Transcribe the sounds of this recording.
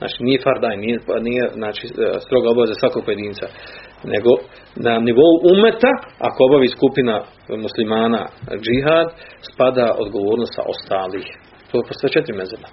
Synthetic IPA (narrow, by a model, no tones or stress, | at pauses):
zna̰ːt͡ʃinije̞faɾd̪ajnijenijeznaːt͡ʃist̪ɾo̞ɡao̞baʋe̞zasʋakoɡ̚po̞jed̪iːnt̪saneɡo̞ | naniʋo̞uʔumet̪aa̰ko̞obaʋiːskupina | muslimaːna̰d͡ʒiɦaːd̪spad̪aʔo̞̰d̪ɡo̞ʋo̞ːɾnost̪sa̰ʔo̞̰st̪aːliːx | t̪oːposojet͡ʃet̪iɾimezena